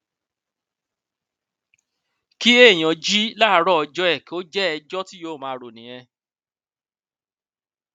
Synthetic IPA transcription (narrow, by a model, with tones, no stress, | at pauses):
ki˦e˦˨j̃ã˨d͡ʒi˦la˦ɾɔ˦ɔ˧d͡ʒɔ˦ɛ˦˨ki˨o˦d͡ʒɛ˦ɛ˧d͡ʒɔ˦ti˦jo˦˨mãː˧ɾo˨nĩ˨j̃ɛ̃˧